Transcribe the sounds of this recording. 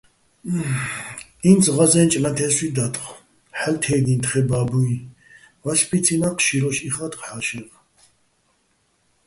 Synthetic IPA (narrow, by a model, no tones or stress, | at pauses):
insʁazɛnt͡ʃʼlat̪ʰɛswid̪at̪χ | ħɛlt̪ʰɛɡnint̪χɛbaːbui | vaʃpʰit͡sʰinaqʰʃiɾɔʃiχat̪χħaʃɛʁ